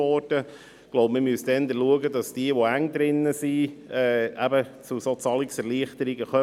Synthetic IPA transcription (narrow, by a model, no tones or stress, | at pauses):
ɔɾd̥ə̥ | loʊpmɪmysd̥̪ɛnd̪əluəɡədɑsd̥iəʋoæŋd̪ɾɪnːəsiɛːæbət͡susot͡sɑliksɛɾliəχt̪əɾiɡəχœ